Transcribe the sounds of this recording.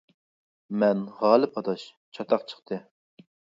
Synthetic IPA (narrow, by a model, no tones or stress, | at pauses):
mɛnʁɑːlˠɨpʰɑt̪ɑʃ | t͡ʃʰɑt̪ʰɑχt͡ʃʰə̥χt̪ʰɨ